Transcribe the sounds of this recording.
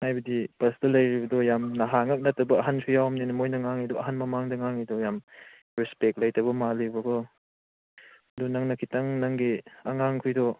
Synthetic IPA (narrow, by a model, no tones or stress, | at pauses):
hajbɐdipɐsdɐlɐjɾibɐdɔjamnɐɦaŋɐk̚nɐtːɐbɐːɦansʰujawɐmninɐmojnɐŋaŋidɔɐɦanmɐmaŋdɐŋaŋidɔjam | ɾispek̚t̚lɐjtɐbɐmalibɐkʰɔ | ɐdunaŋnɐkʰitaŋnaŋɡiaŋaŋkʰujdɔ